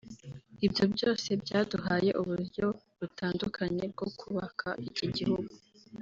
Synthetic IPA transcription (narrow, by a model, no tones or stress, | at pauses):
ibjo̞bɟo̞ːse̞bɟaːduɦaːje̞̰ʔuβuɾjo̞ | βutʰaːndukʰaɲe̞b̚ɡo̞kʰuβakʰaʔiciɟihuɡu